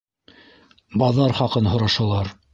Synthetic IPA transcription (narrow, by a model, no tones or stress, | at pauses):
bɑðɑɾχɑqɤnɦŏɾɑʃɑlˠɑɾ